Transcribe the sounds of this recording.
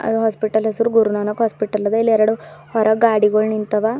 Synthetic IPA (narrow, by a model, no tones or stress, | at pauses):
ɐ̰d̪uɦaːspiʈːɐlɦesɐɾuɡuɾunaːnɐkɦaːspiʈːɐlɐd̪ɐilːɛɾɐɽuhɔɾɐɡaːɽiɡoɭnint̪ɐʋa